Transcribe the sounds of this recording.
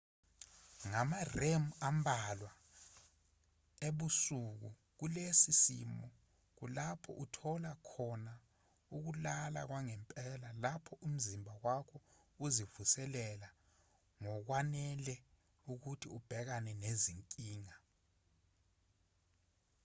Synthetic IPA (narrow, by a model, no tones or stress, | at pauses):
ŋamaremuambʱalwa | eɓusuk̬ṵ | k̬ulesisḭmɔ | k̬ulapʰɔ̰ʔutʰɔlakʰɔna | uk̬ulala̰k̬waŋɛmpʼɛlalapʰɔʔum̩zimbʱawakʰɔ | uzivusɛlɛla | ŋɔk̬wanɛlɛ | uk̬utʰiub̥ʱɛk̬anɛneziŋkʼiːŋa